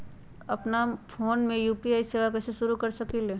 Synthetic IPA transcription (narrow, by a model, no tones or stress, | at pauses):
ɐpnafʰoːnmẽjuːpiaːiseːʋakɛːseʃʊɾukɐɾsɐkile